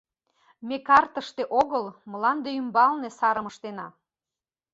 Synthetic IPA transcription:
mekɑrt̪əʃt̪eʔoɣəlməlɑnd̪eymbɑlnesɑɾəməʃt̪enɑ

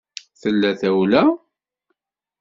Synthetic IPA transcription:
θəlːæθæwlæ

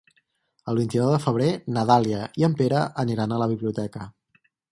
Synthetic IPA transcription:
əlˠβint̪inɔwðəfəβ̞ɾenəðaliəiəmpeɾəʔəniɾanələβiβliut̪ɛkə

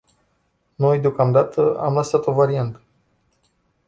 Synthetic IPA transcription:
no̞jd̪eo̞kamd̪at̪ʰəa̰mləsat̪o̞vaɾiant̪ə̥

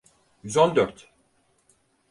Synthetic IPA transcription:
jyzond̪œɾt̪

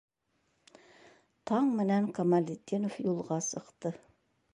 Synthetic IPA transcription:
t̪ʰɑɴmɪnæŋkʰamalʲit̪ʲːenofjulˠʁɑsəqt̪ə

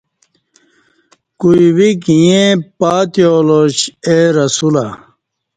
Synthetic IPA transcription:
kuiwikijẽpaːt̪joːloɕeɾɐsula̰

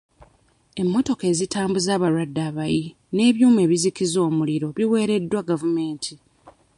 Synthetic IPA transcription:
e̞mːo̞to̞ke̞ːzitʰaːmbuzaːβaɾwadːaːβaji | ne̞ːβjuːme̞ːβizikizo̞ːmuliɾo̞βiwe̞ːɾe̞dːwaɡavume̞ːntʰi

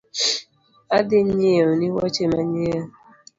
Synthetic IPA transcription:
adɪɲeʊniwɔt͡ʃemaɲea

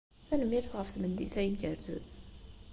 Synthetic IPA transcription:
θænəmːiɾθʁəfθmənd̪ḭθæjənɡəɾθə̰ð

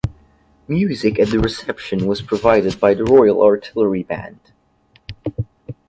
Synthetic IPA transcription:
mjʉzɨkɨt̪̚ðɨɹɨsɛpʃɨ̃nwʌz̥pʰɹ̥ɨvaɪɾɨd̚baɪðɨɹɔɪl̩ˠɑɹtʰɪlˠə˞ibæ̰̃nd̥

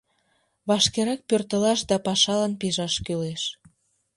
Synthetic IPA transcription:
βɑʃkeɾɑk̚pørt̪ə̆lɑʃd̪ɑpɑʃɑlɑnpiʒɑʃkyleʃ

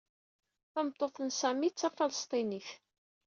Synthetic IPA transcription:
θɑmət̪ˤːoθənsæmit͡sːæfɑləst̪ˤiniθ

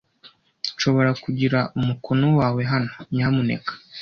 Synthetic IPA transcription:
ʃo̞βo̞ɾakuɟiɾaumukonowaːwe̞ɦanoɲaːmune̞̰kḁ

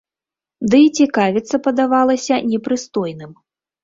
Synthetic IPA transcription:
d̪ɨːt͡sʲikavʲit̪sːɐpɐd̪avalˠɐsʲɐnʲɛpɾɨst̪ɔjnɨm

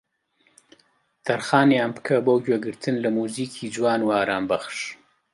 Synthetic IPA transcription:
t̪aɾxɑːnjɑːmpkʰabawkʲwaɡəɾt̪ʰənlamuzikʰid͡ʒwɑːnwɑːɾɑːmbaxʂ

